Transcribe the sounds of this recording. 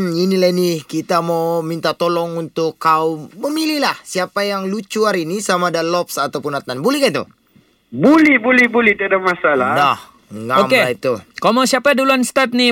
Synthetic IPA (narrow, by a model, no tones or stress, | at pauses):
inilainikit̪amawmint̪at̪olɔŋunt̪ʊkːaʊmːəmililahsiapajaŋlut͡ʃuaɾinisamadalɔpsat̪awpʊnat̪nanbulɛhkait̪ṵ | bulihbulɪhbulɛht̪iadamasaladah | ŋɡaomeait̪ukamawsiapaduluanst̪at̪̚ni